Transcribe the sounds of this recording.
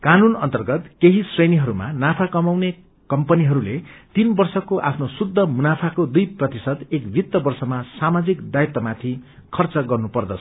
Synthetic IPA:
kanunʌ̰nt̪ʌrɡʌt̪keɦisreniɦʌɾuma̰napʰakʌmawne | kʌmpʌniɦʌɾulet̪inbʌrsʌkoʔa̰pʰnosud̪ʱːʌmunapʰakod̪ujprʌt̪isʌd̪ekbʱit̪ːʌbʌrsʌmasamad͡zikd̪ajt̪ːʌmat̪ʰi | kʰʌrt͡sʌɡʌrnupʌrd̪ʌt͡sʰʌ̥

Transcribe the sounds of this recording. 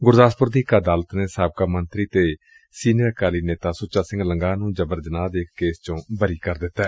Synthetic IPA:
ɡʊɾd̪aːspʊɾd̪iːkad̪aːlət̪neːsaːb̚kaːmənt̪ɾiːt̪eː | siːnəɾkaːliːneːt̪aːsʊt͡ʃːaːsɪ̃ŋɡləŋɡaːnũːd͡ʒəbəɾd͡ʒənaːd̪eːkːeːst͡ʃõːbəɾiːkəɾd̪ɪt̪ːɛː

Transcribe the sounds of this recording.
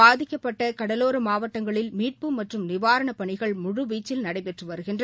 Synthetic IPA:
aːðɪkːɐpːɐʈːɐkɐɽɐloːɾɯmaːʋɐʈːɐŋɡɐɭɪlmiːʈ̚pɯmɐʈrɯmnɪʋaːɾɐɳɐpɐɳɪɣɐɭmʊɻɯʋiːt͡ʃːɪlnɐɽɐɪpɛʈrɯʋɐɾɯɣɪndr

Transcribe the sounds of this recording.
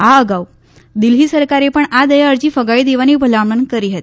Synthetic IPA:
aəɡaw | d̪ilɦiːsəɾkaɾepəɳad̪əjaəɾd͡ʑiːfəɡaid̪eʋaniːbʱəlamənkəɾiɦet̪

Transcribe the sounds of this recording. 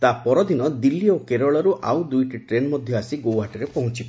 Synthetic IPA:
t̪apɔɾɔd̪inɔd̪ilːiokeɾɔɭɔɾuʔawd̪ujʈiʈɾenmɔd̪ʱjɔasiɡowɦaʈɔɾepɔɦũt͡ʃip

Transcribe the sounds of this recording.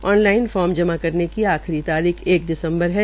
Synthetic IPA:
ɔːnlaːɪnfɔːɾmd͡ʒɐmakɐɾnekiaːxɾit̪aːɾiːxeːk̚d̪ɪsə̃mbəɾɦɛ

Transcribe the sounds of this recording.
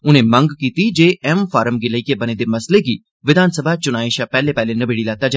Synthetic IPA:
ʊnẽːmə̃ŋɡkiːt̪id͡ʒeːɛmfʰaːɾəmɡiləikebɐneːd̪emɐsleɡiː | ʋɪd̪ʱaːnsəbʱat͡ʃʊnaːiʃaːpɛːlepɛːlenəbeːɽilɛːt̪ad͡ʒa

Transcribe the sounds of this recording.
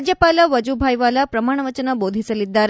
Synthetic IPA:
d͡ʒjəpalaʋəd͡ʒubʱajʋalapɾɐmaːɳ̃əʋət͡ʃənəbod̪ʱisəlid̪ːaɾ

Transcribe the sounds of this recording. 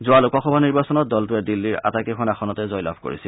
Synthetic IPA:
zʊalʊkɔxɔbʱaniɹbasɔnɔt̚dɔltʊɛdilːiɹa̰takikʰɔnaxɔnɔtɛzɔjla̰bʱko̰ɹḭsil

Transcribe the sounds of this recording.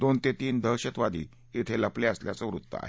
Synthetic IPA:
d̪ont̪et̪iːnd̪ʱəɕət̪ʋad̪ʱḭː | it̪ʰeləpleəsljat͡səʋɾut̪ːə̰a̰ɦe

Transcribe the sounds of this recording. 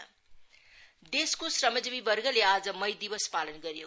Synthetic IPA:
d̪eskosrʌmʌd͡zʌbibʌrɡʌlead͡zʌmʌjd̪ibʌspalʌnɡʌɾjo

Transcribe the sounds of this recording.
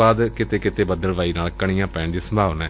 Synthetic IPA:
aːd̪kɪt̪eːkɪt̪eːbəd̪əlʋaːiːnaːlkəɽ̃ijãːpɛ̃ːɳd̪iːsə̃mbʱaːʋnɛ̃ː

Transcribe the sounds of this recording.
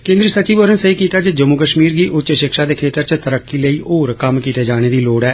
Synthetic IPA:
kẽːnd̪ɾiːsət͡ʃiːʋoːɾənsəiːkiːt̪aːd͡ʒed͡ʒəmuːkəʃmiːɾɡiːʔʊtːt͡ʃʃɪkʃaːd̪eːkʰeːt̪əɾt͡ʃət̪əɾəkːiːləiːoːɾkəmkiːt̪eːd͡ʒaːɽ̃eːd̪iːloːɽɛː

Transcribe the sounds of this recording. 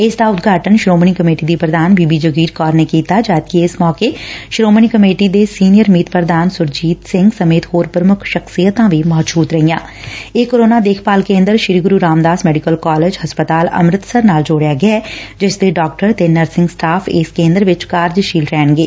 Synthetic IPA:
ɪsd̪aːʊt̪ɡʱaːʈənʃɾoːməɳiːkəmeːʈiːd̪iːpɾəd̪aːnbiːbiːd͡ʒəɡiːɾkɔːɾneːkiːt̪aːd͡ʒaːt̪̚kiɪsmɔːkeːʃɾoːməɳ̃iːkəmeːʈid̪eːsiːnɪjəɾmiːt̪pɾəd̪aːnsʊɾd͡ʒiːt̪sɪ̃ŋɡsəmeːt̪hoːɾpɾəmʊkʰʃəksijət̪ãːʋimɔːt̪d͡ʒuːt̪ɾəɦijãː | eːkoɾoːnaːd̪eːkʰpaːlkẽːnd̪əɾʃɪɾiɡʊɾuːɾaːmd̪aːsmɛːɖɪkəlkɔːleːd͡ʒhəspət̪aːlə̰mɾɪt̪səɾnaːld͡ʒoːɽejaːɡɛaɛːd͡ʒɪsd̪eːɖɔːk̚ʈəɾt̪eːnəɾsɪ̃ŋɡsʈaːpʰɪːskẽːnd̪ɾʋɪt͡ʃkaːɾd͡ʒʃiːlɾɛːnɡeː

